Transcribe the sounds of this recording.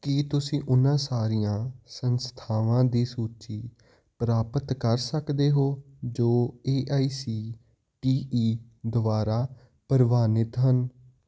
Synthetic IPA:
kit̪ʊsĩːʔʊnãːsaːɾiːjãːsənst̪ʰaːʋãːd̪iːsuːt͡ʃiː | pɾaːpət̪kəɾsəkd̪eːɦoː | d͡ʒoːeːʔaːiːsiː | ʈiːʔiː | d̪ʊbaːɾaː | pəɾbaːnɪt̪ɦən

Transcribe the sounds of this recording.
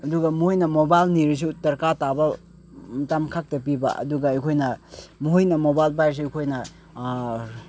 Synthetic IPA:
ɐduɡɐmuojnɐmobajlniɾis̬utɐɾkatabɐ | mɐtamkʰak̚tɐp̬ibɐ̰ʔɐ̰duɡɐːjkʰojnɐmuɦjnɐmobajlbajɾs̬iɐjkʰojnɐ

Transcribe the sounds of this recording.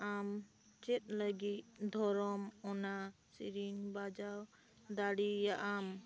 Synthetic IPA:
am | t͡ʃet̪̚laɡit̪̚d̪ʱɔɾɔmɔna | siɾiŋbad͡ʒaw | d̪aɽijaʔam

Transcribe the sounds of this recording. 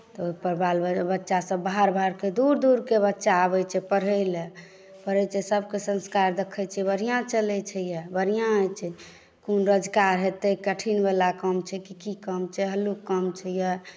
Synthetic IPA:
t̪ɔoipəɾbaləbətːʃasə̃bbːaɦaɾbʱaɾked̪uɾd̪uɾkebətːʃaəbɛt͡ʃʰɛpəɾəle | pəɾət͡ʃʰɛsəb̚ʱkesə̃nskaɾd̪ekʰət͡ʃʰɛbəɾijãt͡ʃəlɛt͡ʃʰɛjɛbəɾijãəjt͡ʃʰɛ | konɾəd͡ʒkaɾɦet̪ɛkəʈʰinbalakəmt͡ʃʰɛkikikəmt͡ʃʰɛɦəlukkːəmt͡ʃʰɛjɛ

